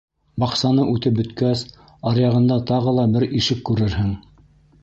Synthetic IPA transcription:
bɑqsɑnɤʔʉt̪ɘp̚bɵ̆t̪kæs | ɑɾjɑʁɤ̆nd̪ɑt̪ɑʁɤlˠɑbɘɾiʃɘkːʉɾɘɾɦɘŋ

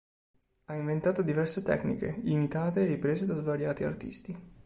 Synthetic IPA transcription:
aiɱvent̪aːt̪od̪ivɛrset̪ɛ̰knḭkḛimit̪aːt̪eːripɾeːzed̪azvaɾjaːt̪ia̰rt̪ḭst̪i

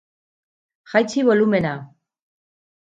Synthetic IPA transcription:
xajt͡siβo̞lume̞na

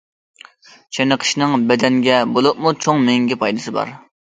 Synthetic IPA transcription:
t͡ʃʰenəqʰə̥ʃnɨŋbɛd̪ɛnɡʲɛbolˠup̚mut͡ʃʰoŋmɪŋɡʲipʰɑjd̪ɨsɨbɑ̰ɾ

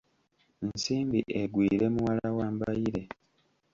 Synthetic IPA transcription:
nsiːmbiʔeɡwiːɾe̞muwalawaːmbajiɾe̞

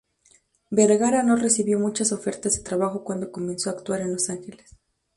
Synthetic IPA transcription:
beɾɣaɾano̞re̞siβjo̞mut͡ʃaso̞fe̞ɾt̪azðe̞t̪ɾaβaxo̞kwand̪o̞ko̞mẽ̞nsoaːkt̪waɾe̞nlo̞saŋxe̞les

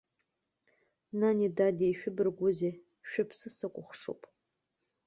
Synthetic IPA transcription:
nanidadeʃᶣʊbɨrɡʷʊze | ʃᶣʊpʰsɨsakʷʼʊχʷʂo̰wpʼ

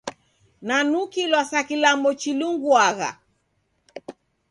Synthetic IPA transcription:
nanukilwasakilamɔt͡ʃiluŋɡwaɣa̰

